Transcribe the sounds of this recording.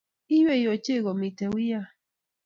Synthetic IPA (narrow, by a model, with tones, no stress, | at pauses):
i˦wɛ˦˨i˨ɔ˨t͡ʃe˦˨ɣɔ˨mi˨tɛ˨wi˦ja˦